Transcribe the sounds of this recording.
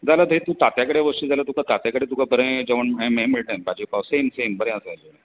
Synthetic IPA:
d͡zalad̪ʱet̪ũːt̪at̪jakəɽeʋəʈid͡zalat̪ũkat̪at̪jakəɽet̪ũkabəɾə̃d͡ʑəʋəɳẽmẽmiɭʈ̪aj̃bad͡ʑipaʋsemsembəɾɛ̃əsaluna

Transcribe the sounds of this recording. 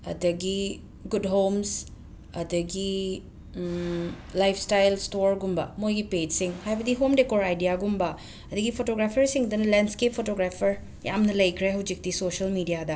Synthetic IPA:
ɐ̰d̪ɐɡi | ɡudɦoms | ɐd̪ɐɡi | lajpʰstajlstoɾɡumbɐmojɡiped͡ʒsiŋhajbɐd̪iɦomdekoɾajdijaɡumbɐ | ɐd̪ɐɡipʰotoɡɾapʰɐɾsiŋd̪ɐnɐlenskepʰːotoɡɾapʰɐɾ | ja̰mnɐlɐjkʰɾeɦɐwd͡ʒik̚d̪isoʃɐlmidijad̪ɐ

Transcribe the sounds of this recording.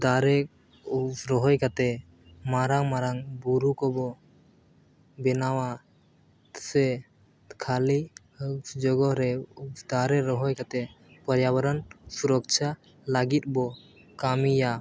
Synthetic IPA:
d̪aɾɛ | ɾɔɦɔjkat̪ɛ | maɾaŋmaɾaŋbuɾukɔbɔ | bɛnawa | sɛ | kʰali | d͡ʒɔɡɔhɾɛd̪aɾɛɾɔɦɔjkat̪ɛ | pɔɾjabɔɾɔnsuɾɔk̚t͡ʃʰa | laɡit̪̚ˀbɔ | kamija

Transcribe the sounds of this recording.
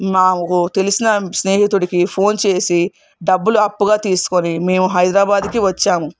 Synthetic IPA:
maːmkut̪e̞lisinɐsne̞ːɦit̪uɽikipʰo̞ːnt͡ʃe̞ːsi | ɖɐbːuluɐpːuɡaːt̪iːsu̥konime̞ːmuɦɐjd̪ɾaːbaːd̪kiʋɐt͡ʃːaːmu

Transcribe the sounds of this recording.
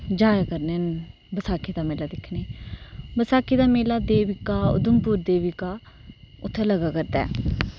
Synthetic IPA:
d͡ʒaːjakəɾneːn | bəsaːkiːd̪aːmeːlaːd̪ɪkʰneːbəsaːkiːd̪aːmeːlaːd̪eːʋɪkaːʊ̰d̪əmpuːɾd̪eːʋɪkaː | ʊt̪ʰːeːləɡaːkəɾd̪ɛ̰ː

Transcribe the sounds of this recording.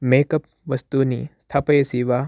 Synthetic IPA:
meːkɐp̚ | ʋɐst̪uːniːst̪ʰapɐesiːʋaː

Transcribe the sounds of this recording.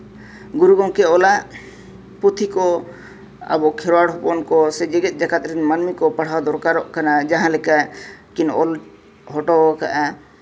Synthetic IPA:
ɡuɾuɡɔ̃ŋkɛɔlaʔ | put̪ʰikɔ | a̰bɔkʰɛɾaɽɦupɔnkɔsɛd͡ʒɛɡɛt̪̚ˀd͡ʒakat̪ɾinmanmikɔpaɽ̤awd̪ɔɾkaɾɔʔkanad͡ʒaɦãlɛkakinɔl | ɦɔʈɔkaʔɛ

